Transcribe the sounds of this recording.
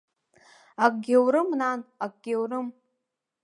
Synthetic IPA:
ak̚ʷʼɡʲewɾɨmnanak̚ʷʼɡ̥ʲewrɨm

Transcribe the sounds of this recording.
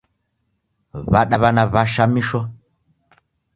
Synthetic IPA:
βaɗaβanaβaʃamiʃɔ

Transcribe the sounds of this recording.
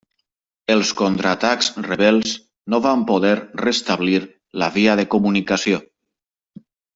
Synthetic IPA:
əlˠskont̪ɾat̪akzreβɛlˠz | noβampoðɛɾrest̪aβliɾ | laβiaðəkumunikasio

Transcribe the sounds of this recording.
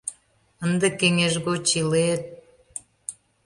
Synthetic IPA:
ənd̪ekeŋeʒɣot͡ɕilet̪̚

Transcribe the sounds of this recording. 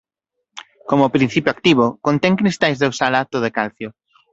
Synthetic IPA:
komopɾĩn̟θipjoak̚t̪iβ̞okõnt̪ɛŋkɾist̪ajzðewsalat̪oð̞ekalθjo

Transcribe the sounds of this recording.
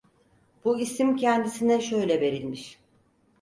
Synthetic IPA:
b̥uisimcʰɛnd̪isinɛʃø̞jlʲɛbe̞ɾilʲmiʃ

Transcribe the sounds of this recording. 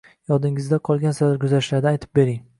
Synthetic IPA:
jɒd̪ɪŋɪzd̪aqʰɒlˠɡʲansaaɾkʰʊzaɾɪʃlaɾd̪aajt̪ʰɪ̥p̚be̞ɾɪŋ

